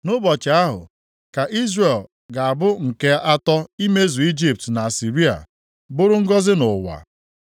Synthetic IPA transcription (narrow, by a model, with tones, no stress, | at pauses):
nʊ˦bɔ˨t͡ʃɪ˨a˦ɦʊ̰˨ | ka˨ʔi˦zre˨l | ɡa˨a˨bʊ˦ŋ̩˨ke˦a˦tɔ˦i˦me˦zu˨i˦d͡ʒi˨p̚tna˨a˨si˨ɾi˦a̰˨ | bʊ˦ɾʊ˦ŋ̩˦ɡɔ˦zɪ˦nʊ˨wa̰˨